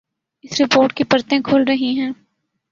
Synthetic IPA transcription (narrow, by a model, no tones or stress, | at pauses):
ɪsɾɪpoːɾʈkipɐɾt̪ẽkʰoːlɾɐɦiɦɛ̃ː